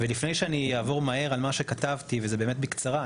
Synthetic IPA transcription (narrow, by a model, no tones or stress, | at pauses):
velifne̞jʃeanijaːvo̞ʁmae̞ʁalmaʃekat̪avt̪ivezebe̞ːmet̪̚bikt͡saʁa